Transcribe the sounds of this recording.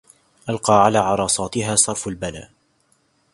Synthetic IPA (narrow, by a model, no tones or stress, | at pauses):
ʔalqɑːʕalaːʕɑɾˤɑːsˤɑːt̪ɪɦaːsˤɑɾˤfalbala̰ːʔ